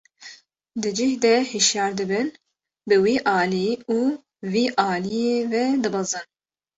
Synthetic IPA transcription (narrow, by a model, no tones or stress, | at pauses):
d̪ɨd͡ʒɪhd̪ɛhɨʃjɑːɾd̪ɨbɨn | bɨwiːʔɑːliːuː | viːʔɑːlijeːvɛd̪ɨbɨzɨn